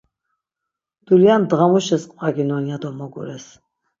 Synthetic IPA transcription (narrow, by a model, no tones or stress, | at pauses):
d̪̥uljand̪ʁamuʃɛsqʼvʼaɡinɔnjad̪ɔmɔɡṵɾɛs